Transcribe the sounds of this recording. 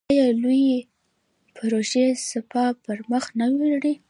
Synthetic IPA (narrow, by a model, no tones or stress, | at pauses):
jɑluji | pɾoʒesɪpɑpəɾməxnawilɽi